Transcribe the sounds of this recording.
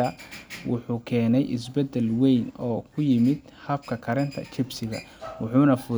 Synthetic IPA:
ɐwʊħuːkʰɛːnɛjʔɪsbɛd̪ɛlwɛjnɔːkʰʊjɪmɪd̪ | hɐfkʰɐkʰɐɾɛnt̪ʰɐ̰t͡ʃɪbsɪɣɐ̰wʊħuːnɐfʊ

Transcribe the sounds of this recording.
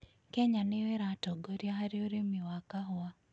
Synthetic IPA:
keɲanɪweɾatɔɡoɾjaɦaɾjoɾemɪwakaɦa

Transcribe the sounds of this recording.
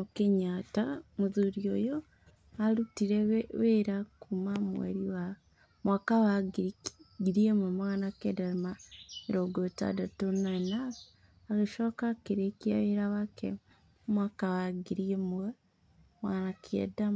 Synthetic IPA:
mukeɲatamuzuɾiojo | alutiɾeβeɾakumamwḛɾiwa | mwakaβaɡiɡiɾiememanakedaɾimaeɾoɡota̰datonana | aɣeʃokakiɾekiaβeɾaβakḛ | mwakaβaɡiɾiemuwe | mwanakiḛda

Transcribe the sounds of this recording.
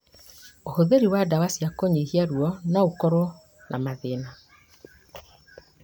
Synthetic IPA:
ohoðeɾiwadawasiakoɲihiaɾwɔnaokɔɾo | nʔa̰maðena

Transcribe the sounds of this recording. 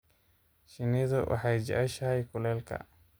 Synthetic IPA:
ʃɪniðʊwʔɑ̰ħɑjd͡ʒɛ̰ʔɛʃɐjkʰʊlɛːlkʰɐ̰

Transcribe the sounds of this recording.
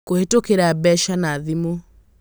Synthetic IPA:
kohetokeɾabɛʃanaðimo

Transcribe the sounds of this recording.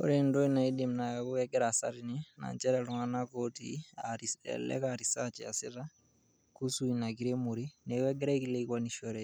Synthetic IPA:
o̰ɾendoinaidimnakakukɛɡɛɾasa̰ɾinina̰ɲt͡ʃɛɾaluŋanakotḭaiɛ̰lɛ̰kaɾisat͡ʃia̰siɾa | kusuinakiɾemuɾinewɛɡɛɾakilekwaniʃoɾɛ

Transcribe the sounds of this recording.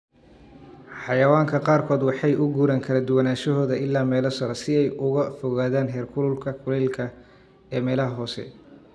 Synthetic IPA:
ħɑjɐwaːŋkʰɐqɑːrkʰɔːd̪wɑħɑjʔʊɡuːɾaːŋkʰɐlɐd̪ʊwɐnaːʃɐɦɔːðɐɪlːaːmɛːlɐsɐɾɐsɪɛjʔʊɣɐfɔɣaːðaːnɦɛːrkʰʊlʊlkʰɐkʰʊlɛːlkʰɐ | ɛːmɛːlɐɦɐɦɔːsɛ̰

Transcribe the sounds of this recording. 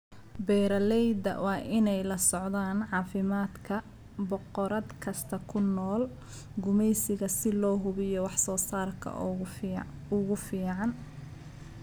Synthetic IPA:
bɛːɾɐlɛjd̪ɐ̰wɑːʔɪnɛjlɐsɔʕðaːnʕɑːfɪmaːd̪kʰɐ | bɔqɔɾɐd̪kʰɐst̪ʰɐkʰʊnɔːl | ɡʊmɛjsɪɣɐsɪlɔːɦʊβɪjɔwɑħsɔːsaːrkʰɐ̰ | ʊɣʊfiːʕɑn

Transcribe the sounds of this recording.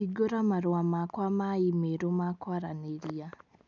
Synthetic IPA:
iɡoɾamaɾoamakwamaimeɾomakwaɾaneɾia

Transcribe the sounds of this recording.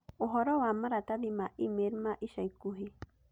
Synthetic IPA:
oɦoɾowamaɾat̪adimaʔimeɾmaʔiʃaikuɦi

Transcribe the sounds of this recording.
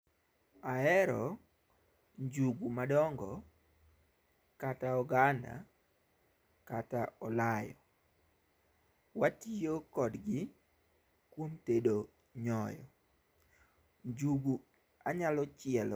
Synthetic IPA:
aɛɾɔ | ɲd͡ʒuɡumadɔŋɡɔ | kataɔɡanda̰ | kataɔlajɔ | watijokɔdɡɪ | kwomtedo | ɲɔjɔ̰ | ɲd͡ʒuɡu | aɲalɔt͡ʃɪɛlɔ

